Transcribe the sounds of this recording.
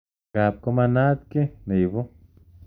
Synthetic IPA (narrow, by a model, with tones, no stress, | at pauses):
ɡa˨p̚ko˦ma˧na˦t̪̚ke˦ne˨jβo˦